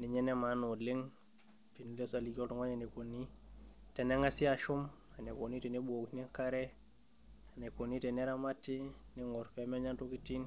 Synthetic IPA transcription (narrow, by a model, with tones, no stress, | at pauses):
ni˨ɲɛ˦ne˦ma˨˦no˨le˦ŋ | pi˨nu˦le˦sa˨li˨ko˦tu˨ŋo˦ɲe˨ne˨ko˨ni˦ | tɛ˨ne˦ŋa˦si˦a˨ʃu˦m | a˨ne˨ko˨ni˦te˨ne˦buo˨kni˦ka˦ɾe˦ | a˨ne˨ko˨ni˦te˨ne˦ɾa˦ma˦ti˦ni˦ŋo˨ɾpe˨˦me˦ɲa˦nto˦ki˦ti˦n